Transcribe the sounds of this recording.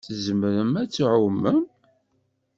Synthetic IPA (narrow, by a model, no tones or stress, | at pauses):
θzəmɾəmæt͡sːʕʊmːəm